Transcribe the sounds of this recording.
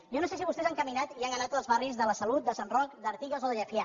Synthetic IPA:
ʒɔnoses̬iβust̪ɛzaŋkəminat̪iaŋɡənat̪əlˠzβarizðələsəlut̪̚d̪əsanrɔkd̪əɾt̪iɣəzoðəʎəfja

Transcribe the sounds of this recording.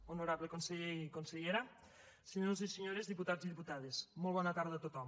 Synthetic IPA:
onoɾaβlekonseʎekonseʎeɾa | seɲoziseɲoɾezðiput̪aziðiput̪að̞esmolˠβɔnat̪aɾðat̪ot̪ɔm

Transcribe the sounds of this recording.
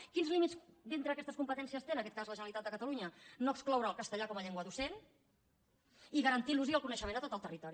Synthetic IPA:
kinzlimit͡sd̪int̪ɾəːkɛst̪əskumpət̪ɛnsiəst̪enəkɛt̪kazləʒənəlit̪at̪d̪əkət̪əluɲənoəksklɔwɾəːlˠkəst̪əʎakɔməʎeŋɡwəðusen | iɣəɾənt̪iluziəlˠkunəʃəmendət̪ot̪əlˠt̪ərit̪ɔɾi

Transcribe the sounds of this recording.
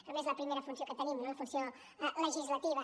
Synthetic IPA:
t̪ɾɐβezɐpɾimejɾɐfũnsjõkɐt̪ɐlinɐnõɐfũnsjõ | ləʒizlɐt̪iβɐ

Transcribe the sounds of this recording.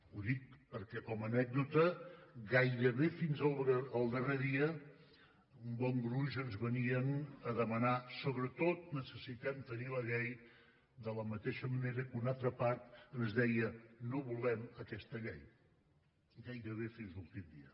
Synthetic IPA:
uðik̚pəɾkɛkɔmənɛɡ̚d̪ut̪əɡajɾəβefinzəlˠəlˠd̪ərɛðiə | umbɔŋɡɾuʒənzβəniənəðəmənasoβɾət̪ot̪̚nəsəsit̪ɛmt̪əniləʎɛj | d̪ələmət̪eʃəməneɾəkunalˠt̪ɾəpaɾt̪̚ənzðɛjənoβulɛməkɛst̪əʎɛj | ɡajɾəβ̞efinzlulˠt̪imd̪iə

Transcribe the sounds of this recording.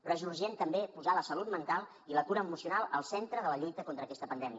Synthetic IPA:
rəzuɾʒent̪əmbepuzaləsəlut̪mənt̪alˠ | ilət̪uɾəːmusiunalˠəlˠsɛnt̪ɾəðələʎujt̪əkont̪ɾəːkɛst̪əpənd̪ɛmiə

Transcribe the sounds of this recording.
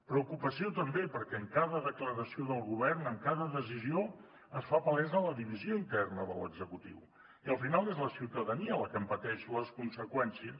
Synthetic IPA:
pɾəukupəsiot̪əmbepəɾkɛəŋkaðəðəkləɾəsioðəlˠɣuβ̞ɛrnəŋkaðəðəzizio | əsfapəlɛzələðiβizioint̪ɛrnəðələ̰ɡzəkut̪ḭw | iəlˠfinalˠezləsiwt̪əðəniələkəmpət̪ɛʃuləskunsəkwɛnsiəs

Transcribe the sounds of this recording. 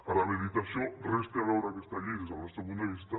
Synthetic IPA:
paɾameðit̪asjorest̪alawɾakest̪aʎiðezanaseɣund̪aβist̪a

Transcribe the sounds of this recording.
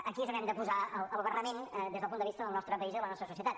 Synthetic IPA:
əkiəzəɾɛmd̪əpuzaələlˠβərəmend̪ezðəlˠpunəβist̪əðəlˠnɔst̪ɾəpəizðəlˠənɔst̪ɾəsusiət̪at̪

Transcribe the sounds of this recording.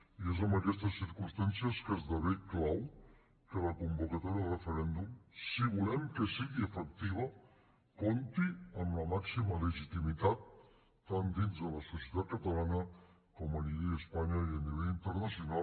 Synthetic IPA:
iezəmbəkɛst̪əsːiɾkumst̪ansiəskəzðəβiklaw | kələkumbukət̪ɔɾiərəfəɾɛnd̪umsiβulɛmkəsiɣiəfək̚t̪iβ̞ə | kont̪iəmləmaksimələʒit̪imit̪at̪̚ː | and̪inzðələsusjət̪at̪̚kət̪əlanə | kɔməniβeʎəspaɲəiəniβɛʎint̪əɾnəsiuna

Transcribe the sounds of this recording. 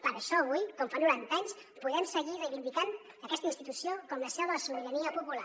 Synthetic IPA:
pəɾəʃɔəβujkɔmfanuɾant̪aɲs | puðɛmsəɣirejβind̪ikan | əkɛst̪əinst̪it̪usiokɔmləsɛβəsuβiðəniəpupula̰

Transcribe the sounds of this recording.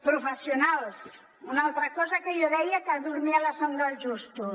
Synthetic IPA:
pɾofesjonals | unaolt̪ɾakosakeʎoðejakaðuɾmialasond̪alʒust̪u

